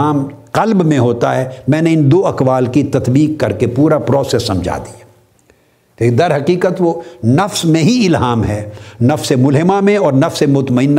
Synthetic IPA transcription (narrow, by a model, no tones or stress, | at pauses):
aːmqɐlbmẽɦoːt̪aɦɛmɛ̃ːneɪnd̪oːɐkʋaːlkit̪ɐt̪biːkːɐɾkepuːɾapɾɔːsɛsːɐ̃md͡ʒʱa̰ːd̪ijaː | eːkd̪ɐɾɦɐqiːqət̪ʋonɐfsmẽɦiɪlɦaːmɦɛːnɐfsemʊlɦɪmamẽɔːɾnɐfsemʊt̪məɪnː